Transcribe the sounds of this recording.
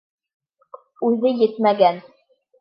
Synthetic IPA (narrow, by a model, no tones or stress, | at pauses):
ʉðɘjɘt̪mæɡæn